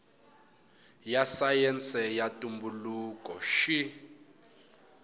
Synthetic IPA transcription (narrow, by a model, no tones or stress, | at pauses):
jasajɛnt͡sʰʼɛjatʼumbulukʼɔʃi